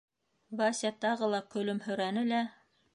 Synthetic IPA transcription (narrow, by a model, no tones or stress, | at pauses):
βɑsʲɑt̪ɑʁɤlˠɑkɵ̆lɵmhɵ̆ɾænɘlæ